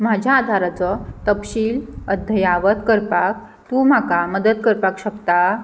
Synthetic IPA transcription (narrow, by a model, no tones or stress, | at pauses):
m̤ad͡ʑʱjaːd̪ʱaɾat͡sɔt̪əpɕiːləd̪ʱəjaʋət̪kəɾpak̚ | t̪um̤akaməd̪əd̪kəɾpakɕəkt̪a